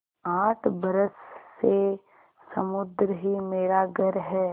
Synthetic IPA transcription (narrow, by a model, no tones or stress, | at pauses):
aːʈʰbɐɾəsːe | sɐmʊd̪ɾɦimeːɾaɡəɾɦɛː